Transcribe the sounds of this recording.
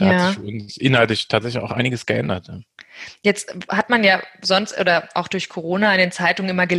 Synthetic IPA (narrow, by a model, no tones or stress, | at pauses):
d̥aːfʊnsʔɪnhaltlɪçtʰaːtz̥ɛçlɪça̰ʊxʔaɪnɪɡəsɡ̥əʔɛndɐtʰjajɛt͡sthatmanjaːzɔnstʔo̰ːdɐʔaʊxd̥ʊɐçkʰoʁ̞oːnaɪndeːnt͡saɪtʊŋənʔɪmɐɡə